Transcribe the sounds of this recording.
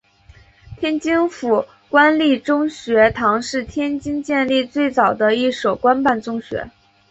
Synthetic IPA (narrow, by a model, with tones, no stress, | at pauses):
t̪ʰjɛ˥nt͡ɕi˥ŋfu˨˩ | kwa˥nli˥˩ʈ͡ʂʊ˥ŋɕɥɛ˧˥t̪ʰɑ˧˥ŋʂɻ̩˥˩t̪ʰjɛ˥nt͡ɕi˥ŋt͡ɕjɛ˥˧nli˥˧t͡swe˥˩ɪt͡sɑ˨˩ʊd̪ə˦i˥˩ʂo˨˩ʊkwa˥npa˥˩nt͡sʊ˥ŋɕɥɛ̰˧˥